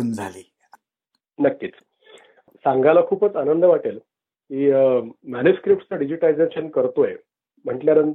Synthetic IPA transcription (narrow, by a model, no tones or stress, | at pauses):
nd͡zʱaliː | nəkːiːt͡s | saŋɡalakʰuːpət͡sanənd̪əʋaʈel | kimænjuskɾip̚ʈt͡saɖid͡ʑiʈalid͡zeɕənkəɾt̪oje | m̤əɳʈljaɾən